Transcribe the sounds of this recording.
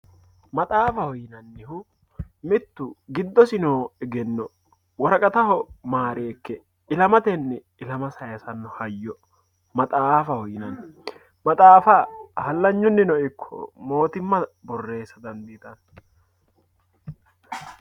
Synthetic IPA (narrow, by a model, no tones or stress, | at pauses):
mɐt̪ʼaːfɐhɔjɪnɐnːɪhʊ | mɪt̪ːʊɡɪd̪ːɔsɪnoːɛɡɛnːɔ | wɔɾɐkʼɐt̪ɐhɔmaːɾe̞ːkːɛ | ɪlɐmɐt̪ɛnːɛ | ɪlɐmɐsɐjɐsɐnːɔhɐjːɔ | mɐt̪ʼaːfɐhɔjɪnɐn | mɐt̪ʼaːfɐhɐlːɐɲːɔnːɪnɔɪkʰːɔ̰mo̞ːt̪ɪmːɐbɔrːe̞ːsɐd̪ɐnd̪iːt̪ɐn